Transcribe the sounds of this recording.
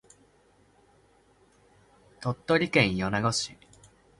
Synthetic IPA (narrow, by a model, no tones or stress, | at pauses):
t̪ot̪ːo̞ɾʲikẽ̞ɰ̃jonaɡo̞ɕi